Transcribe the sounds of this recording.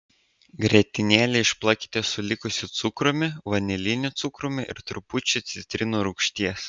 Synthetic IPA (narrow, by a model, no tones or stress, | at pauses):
ɡɾʲɛt̪ʲɪnʲeːlʲɪɪʃplˠɐkʲɪ̥t̪ʲeːsʊlʲɪkʊsʲɪt̪sʊkɾʊmʲɪʋɐnʲɛlʲɪnʲʊt̪sʊkɾʊmʲɪʔɪ̰ɾt̪ɾʊpʊt͡ʃʲʊt̪sʲɪt̪ʲɾʲɪnuːɾʊkʃʲt̪ʲiɛs